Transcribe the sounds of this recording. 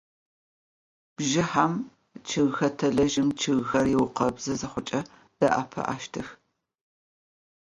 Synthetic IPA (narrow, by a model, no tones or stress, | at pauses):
b̥ʒɪħam | t͡ʃʰɨɣxɐtʰɐɮɐʒɪmt͡ʃʰɨɣxɐrjɪwʊqɐbz̥ɐzɐχʷʊt͡ʃʼɐ | d̥ɐʔa̰pʰɐ̰ʔa̰ːʃtʰɨx